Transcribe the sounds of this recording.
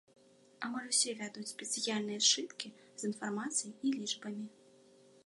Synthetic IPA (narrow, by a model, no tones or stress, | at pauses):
ɐmalusʲɛvʲad̪ɨjut͡sʲsʲpʲɛt̪sɨjalʲnɨjɐʂt͡ʂɨt̪kʲi | zɨnfarmat̪sɨjiilʲiʐbɐmʲi